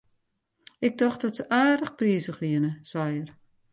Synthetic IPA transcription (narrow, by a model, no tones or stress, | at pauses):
ɪɡ̚dɔχt̚dɔtsəʔaːrdəxpriəzəχʋiənəsɛjər